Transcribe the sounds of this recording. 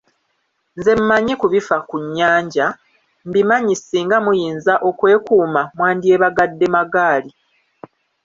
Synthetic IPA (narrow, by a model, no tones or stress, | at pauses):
nze̞mːaɲekuβifakuɲːaːɲɟa | mbimaɲisiːŋɡamujiːnzaʔo̞kwe̞ːkuːmamwaːndie̞βaɡadːe̞maɡaːli